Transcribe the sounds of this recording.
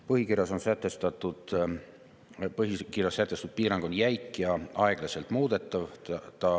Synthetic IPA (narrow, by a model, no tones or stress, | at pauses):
pɤɦikirjɑso̞nsæt̪ːˑe̞st̪ɑt̪ːˑud̪̥ | pɤɦikirjɑsːæt̪ːˑe̞st̪ud̪̥̚piːɾɑŋɡ̥onjæjkːˑjɑɑe̞ɡ̥lɑse̞lt̪ˑmuːd̪̥e̞t̪ˑːɑvt̪ɑ